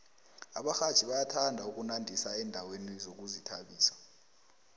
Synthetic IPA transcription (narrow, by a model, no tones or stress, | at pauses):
a̰ɓaxḁt͡ʃʰiɓajatʰandʱauk̬ʼunandʱisaɛndʱawenizok̬uzitʰa̰ɓiːsḁ